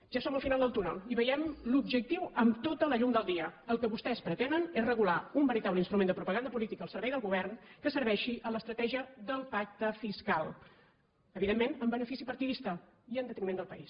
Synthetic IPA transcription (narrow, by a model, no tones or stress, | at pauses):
ʒ̥asoməlˠfinalˠd̪əlˠt̪unə̰lˠiβəjɛmlubʒək̚t̪iwəmt̪ot̪ələʎuŋd̪əlˠd̪iəəlˠkəβust̪ɛspɾət̪enənezrəɣulaumbəɾit̪aβləinst̪ɾumend̪əpɾupəɣand̪əpulit̪ikəlˠsəɾβɛjðəlˠɣuβ̞ɛrnkəsəɾβɛʃiʔələst̪ɾət̪ɛʒiəðəlˠpak̚t̪əfiskalˠ | əβiðemːenəmbənəfisipəɾt̪iðist̪ə | iənd̪ət̪nimend̪əlˠpəis